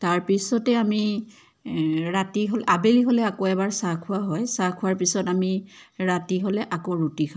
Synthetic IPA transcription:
taɹpisɔtɛami | ɹatiɦɔlɛʔabeliɦolɛakoɛbaɹsakʰʊaɦɔjsakʰʊwaɹpisɔtamiɹatiɦolɛʔakoɹutikʰa

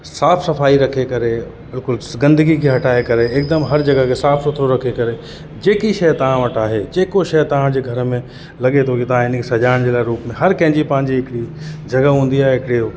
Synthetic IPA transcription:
saːfsɐfaːiɾɐkʰekɐɾe | bɪlkʊlsɡɐ̃nd̪əɡikʰeɦɐʈʰaːekɐɾeeːk̚d̪əmɦɐɾd͡ʑɐɡəkʰesaːfsʊt̪ʰɾoɾɐkʰekɐɾe | d͡ʑeːkiʃɐjt̪ɐʋ̤ãʋɐʈaːɦed͡ʑeːkoʃɐjt̪ɐʋ̤ãd͡ʑeːɡʱɐɾmẽ | lɐɠet̪ʰoket̪ɐʋ̤ãɪnkʰesɐd͡ʑaːɪɽ̃d͡ʑeːlaːɪɾuːpmẽɦɐɾkɐ̃ɦɪ̃ɲd͡ʑipɐ̃ɦɪ̃ɲd͡ʑiɦɪkɪɽid͡ʑɐɡəɦũːnd̪iaːɦeɦɪkɪɽi

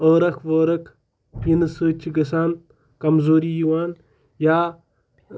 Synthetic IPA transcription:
əːɾɐkʰʋəːɾɐkʰ | pinɨsɨːt͡ʃʰiɡɐsaːn | kɐmzoːɾijiwaːn | jaː

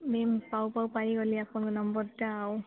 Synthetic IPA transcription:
mempawpawpaɹiɡoliapʊnknɔmbɔɹtaːw

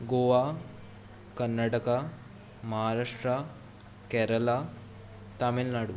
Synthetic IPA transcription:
ɡoːʋaː | kɐnːɐʈɐkɐ | mɐɦaːɾaːʂʈɾɐ | keːɾɐlaː | t̪amelnaːɽu

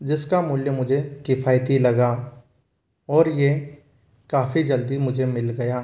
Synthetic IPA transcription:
d͡ʒɪskamʊljəmʊd͡ʒʱekɪfʰaːjt̪ilɐɡa | ɔːɾje | kaːfʰid͡ʒɐld̪imʊd͡ʒʱemɪlɡɐjaː

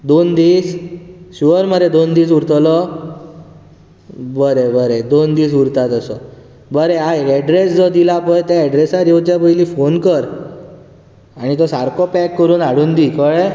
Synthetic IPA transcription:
d̪ond̪iːsɕuʋəɾməɾed̪ond̪iːsuɾt̪lɔ | bəɾebəɾed̪ond̪iːsuɾt̪at̪əsɔ | bəɾeaɛɖɾesd͡zɔd̪ilapəjt̪jaɛɖɾesaɾjowt͡ɕjabəjliːfonkəɾ | aɽ̃it̪ɔsaɾkɔpɛkːəɾuːnaɽuːnd̪ikəɭe

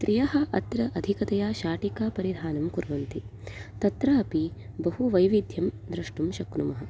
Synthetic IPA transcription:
t̪ɾʔijɐɦɐʔɐt̪ɾɐʔɐd̪ʱikɐt̪ɐjaːʃaːʈikaːpɐɾid̪ʱaːnɐmkuɾʋɐnt̪it̪ɐt̪ɾɐːɐpi | bɐɦuʋɐjʋid̪ʱjɐmd̪ɾɐʂʈumʃɐkɾumɐɦɐ̆

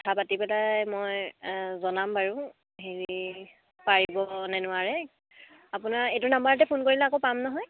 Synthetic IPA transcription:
tʰapatipɛlajmɔjzɔnambʱaɹʊ̃ | ɦeɹi | paɹiibɔnɛnʊaɹɛ | apʊnaɹetʊnambaɹatɛpʰonkoɹilɛakopamnɔɦɔj

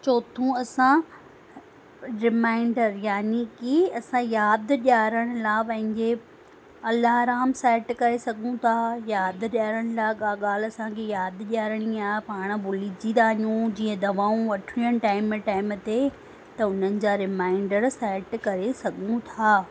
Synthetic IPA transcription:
t͡ɕoːt̪ʰũɐsã | ɾɪmãːɪɳɖəɾjaːnikiɐsãjaːd̪ɗaːɾəɽ̃ʊ̆laːpɐ̃ɦɪ̃ɲd͡ʑe | ɐlaːɾaːmsɛːʈkɐɾesɐɡʱũt̪ʰaːjaːd̪ʄaːɾəɽ̃ʊlaɠaːɠaːlɐsãkʰejaːd̪ʄaːɾəɽ̃iaːɦepaːɽ̃̆bʊlid͡ʑĩd̪aːijũd͡ʑiːə̃d̪ɐʋaːũʋɐʈʰɽ̃ijəɽ̃ʈaːɪmʈaːɪmt̪e | t̪ɐʊn̤ənɪ̆d͡ʑaɾɪmaːɪɳɖəɾsɛːʈkɐɾesɐɡʱũt̪ʰaː

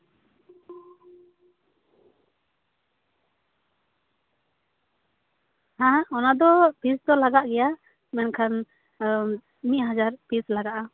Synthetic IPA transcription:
hãɔnad̪ɔpisd̪ɔlaɡaʔɡɛja | mɛnkʰan | miʔ̚ɦad͡ʒaɾpislaɡaʔa

